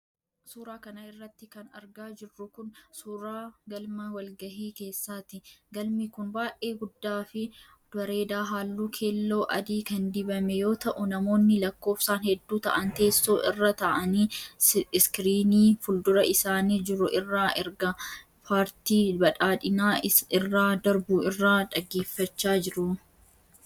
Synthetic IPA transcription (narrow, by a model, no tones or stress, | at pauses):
suːɾaːkɐnɐɪrːɐt̪ːɪkɐnɐ̰ɾɡaːd͡ʒɪrːʊkʊnsuːɾaːɡɐlmɐwɐlɡɐhiːke̞ːsːaːt̪ɪɡɐlmikʊnbaːʔe̞ːɡʊd̪ːaːfɪ | d̪̥wɐɾe̞ːd̪aːɦaːlːuːkʰe̞ːlːo̞ːʔɐd̪iːkɐnd̪ɪbɐmɛjo̞ːt̪ɐʔʊnɐmo̞ːnːɪlɐkːo̞ːfsaːnhɛd̪ːuːt̪ɐ̰ʔɐnt̪e̞ːsːoːʔɪrːɐt̪ɐʔɐniː | skɾiːniːfʊld̪ʊɾɐʔɪsaːniːd͡ʒɪɾʊʔɪrːaːʔɛɾɡɐ | pʰaːɾt̪iːbɐᶑaːᶑɪnaːɪrːaːd̪ɐɾbuːɪrːaːᶑɐɡːe̞ːfːɐt͡ʃːaːd͡ʒɪɾʊ